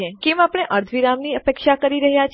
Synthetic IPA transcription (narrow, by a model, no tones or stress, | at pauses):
ekemapɽ̃eʔəɾt̪ʰʋiɾamniəpekʃakəɾiɾəɦjat͡ʃʰ